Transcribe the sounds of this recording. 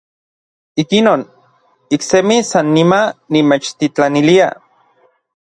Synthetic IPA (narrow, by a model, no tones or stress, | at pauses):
ikinoːn | iksemisanːimanimet͡ʃt̪it͡ɬanilia̰